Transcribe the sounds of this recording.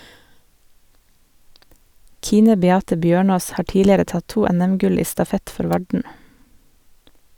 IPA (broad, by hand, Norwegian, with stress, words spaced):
ˈkiːnə bɛˈɑːtə ˈbjøːˌɳoːs ˈhɑː ˈʈiːlɪəɾə ˈtɑt ˈtuː ˈɛnɛmˌɡʉl ˈiː stɑˈfɛt ˈfɔɾ ˈʋɑɖɳ̩